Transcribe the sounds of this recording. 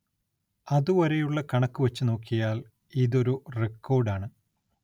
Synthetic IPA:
ɐðuʋɐɾejuɭːɐkɐɳɐkːɨʋɐt͡ɕːɨno̞ːkːijaːl | iðo̞ɾurekːo̞ːrɖaːɳɨ

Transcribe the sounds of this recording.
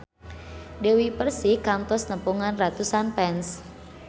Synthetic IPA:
dewipərsihkampɔsnəpuŋanrat̪usanpɛns

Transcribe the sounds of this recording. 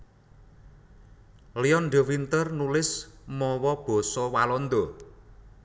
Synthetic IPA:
liɔnɖə̤wint̪ərnulɪsmɔwɔb̥ɔ̤sɔwalɔnd̪ɔ

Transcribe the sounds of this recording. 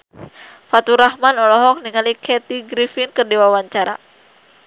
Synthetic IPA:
fat̪uɾahmanɔlɔɦɔk̚niŋalikʰɛt̪iɡɾifinkɨrdiwawaɲt͡ʃaɾa̰

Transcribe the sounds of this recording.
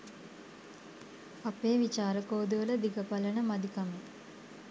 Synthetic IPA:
apeːʋit͡ʃaːɾəkoːd̪uʋələd̪iɡəpalənəmad̪ikame

